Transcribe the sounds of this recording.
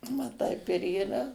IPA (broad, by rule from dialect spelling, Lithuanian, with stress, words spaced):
ʋɐ ˈtɐɪp ɪr iːˈrɐ